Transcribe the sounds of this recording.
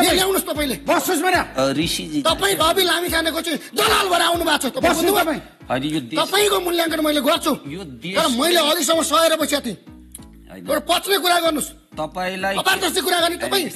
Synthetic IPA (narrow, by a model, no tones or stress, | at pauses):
jeljawnust̪ʌpaĩlebʌsosbʌnjaɾisiit̪ʌpaĩbʱʌbilamisanekot͡saĩd̪ʌlalbʱʌɾeawnubʱat͡sʰʌt̪ʌpkouĩ | jot̪ʌpaĩkomuljaŋkʌɽmʌjleɡʌrt͡sʰujoʌɾʌmʌjleʌlis̬ʌmʌsʌeɾʌpʌsʰjat̪ʰḭ̃ | ewɽapʌt͡slek̬uɾaɡʌrnus | t̪ʌpaĩlajʌpad̪ʌsikuɾaɡʌrnit̪ʌpaĩ